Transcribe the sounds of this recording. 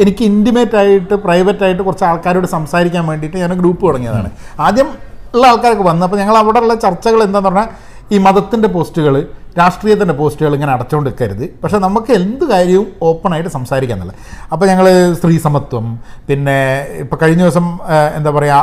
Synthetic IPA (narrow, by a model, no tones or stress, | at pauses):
e̞nikʲːɨindimeːtːaːjiʈːɨprɐjʋɐtːaːjiʈːɨkurɐt͡ɕːaːɭkaːɾoːɽesɐmsaːɾikʲːaːnʋe̞ːɳɖijʈːɨɲaːnɡɾuːpːɨkɐɽɐŋːijɐða̰ːɳɨ̰aːd̪jɐmiɭːɐaːɭkaːɾokːɨʋɐnːuɐp̬ːoːɲɐŋːɐɭɐʋiɽeuɭːɐt͡ɕɐrt͡ɕːɐɣɐɭe̞nd̪aːnuorɐɲːa | iːmɐðɐt̪ːinde̞p̬o̞ːsʈuɣɐɭɨɾaːʂʈriːjɐt̪̬ːinde̞po̞ːsʈuɣɐɭeŋːɐneɐɽɐt͡ɕːuoɖikːaːjiɾuðːɨpɐkʂenɐmːukːɨe̞nd̪ɨkaːɾjɐʋumo̞ːpːɐnaːjiʈːɨsɐmsaːɾikʲːaːnːḭlːɐ̰ | ɐpːoːɲɐŋːɐɭst̪riːsɐmɐt̪wɐmpinːe̞ipːoːkɐɻiɲːoːsɐmḛnd̪aːpɐrɐja